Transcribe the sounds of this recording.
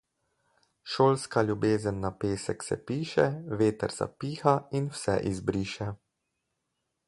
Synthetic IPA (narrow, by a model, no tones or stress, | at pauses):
ʃoːlskalʲjubeːzənːapeːsɛksɛ̰piːʃɛʋeːt̪ɛɾz̥a̰piːxainwsɛ̰ʔizbɾiːʃɛ